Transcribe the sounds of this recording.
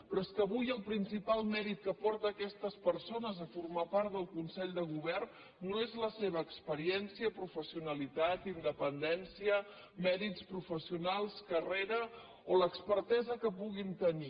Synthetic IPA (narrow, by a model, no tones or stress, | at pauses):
pɾɔeskəːβujəlˠpɾinsipalˠmɛɾit̪̚kəpɔɾt̪əːkɛst̪əspəɾsonəzəfurmapaɾt̪d̪əlˠkunsɛʎd̪əɣ̞uβ̞ɛrnː | oezləseβ̞əːkspəɾiɛnsiəpɾufəsiunəlit̪at̪ind̪əpənd̪ɛnsiə | mɛɾit͡spɾufəsiunalˠskəreɾə | oləkspəɾt̪ɛzəkəpuɣint̪əni